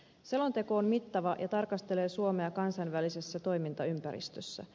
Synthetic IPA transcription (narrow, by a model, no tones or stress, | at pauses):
se̞lo̞nt̪e̞ko̞ːmmit̪ːɑʋɑjʔɑt̪ɑrkɑst̪e̞le̞ːsuo̞me̞ɑkɑnsɑnʋælise̞sːæt̪o̞jmint̪ɑympæɾḭst̪øsːæ̰